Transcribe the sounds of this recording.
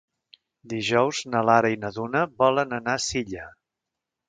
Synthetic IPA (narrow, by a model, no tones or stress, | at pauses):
d̪iʒɔwznəlaɾəinəðunəβɔlənənasiʎə